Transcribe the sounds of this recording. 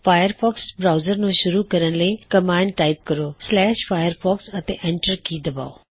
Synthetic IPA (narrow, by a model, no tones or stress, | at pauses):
fʰaːjəɾpʰɔːksbɾaːʊzəɾnũʃʊɾuːkəɾənləikəmaːɪɳɖ̚ʈaːɪp̚kəɾoːslɛːʃpʰaːjəɾpʰɔːksət̪ḛ̃ːʔɛ̃ːɳʈəɾkiːd̪əba̰ːo̰ː